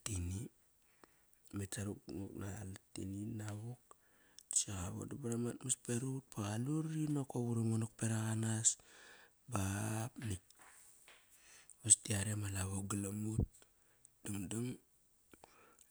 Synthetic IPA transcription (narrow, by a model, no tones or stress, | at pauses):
tini | metaɾukŋoknaltḭninaβuk̚ | siɣaβo̰dabaɾamatmaspeɾut̚paɣaluɾinokoβuɾimonok̚peɾaɣanas | bapnik̚ | βastiaɾemalaβoɡalamut̚ | d̥aŋdaŋ